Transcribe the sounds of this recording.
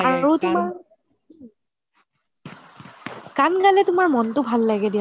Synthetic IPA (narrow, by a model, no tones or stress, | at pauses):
aɹutʊmaɹ | kankalɛtʊmaɹmɔntʊbʱalːaɡɛdija